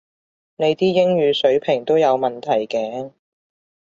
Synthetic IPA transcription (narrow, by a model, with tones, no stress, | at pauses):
ne˨˧jt̪iː˥jɪ˥ŋɥyː˨˧sɵ˨˥ɥpʰɪ˨˩ŋt̪o˥wjɐ˨˧wmɐ˨nt̪ʰɐ˨˩jkɛː˧˥